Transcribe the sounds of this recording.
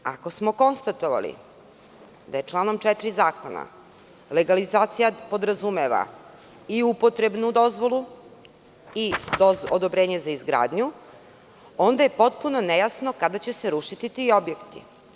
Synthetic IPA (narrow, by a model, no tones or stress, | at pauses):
a̰ko̞smo̞ko̞nst̪at̪o̞ʋa̰lḭ | d̪aje̞t͡ʂlˠaːno̞mt͡ʃɛt̪ɾizaːko̞na̰ | le̞ɡalizaːt̪sijapo̞d̪ɾazume̞ʋa̰ | iupo̞t̪ɾe̞bnud̪o̞zʋo̞lˠu | iood̪obɾe̞ːɲe̞zaizɡɾa̰ːd̪ɲu | o̞nd̪aje̞po̞t̪̚puno̞nejasno̞kad̪at͡ɕe̞se̞ɾuʃit̪it̪io̞bjekt̪ḭ